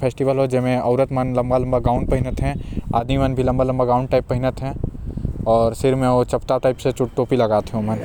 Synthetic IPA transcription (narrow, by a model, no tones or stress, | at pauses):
pʰeːsʈɪʋəlɦod͡ʒɛmẽɐʊɾət̪mɐnlɐ̃mbalɐ̃mbaɡaːʊ̃ɳɖ̚pɐɦɪnət̪ɦɛ̃a̰ːd̪mimɐnbʱilɐ̃mbalɐ̃mbaɡaːʊɳɖʈaːɪpːɐɦɪnət̪ɦɛ̃ː | ɔːɾsɪɾmẽot͡ʃɐpt̪aʈaːɪpset͡ʃʊʈʈoːpilɐɡaːt̪eɦõmɐn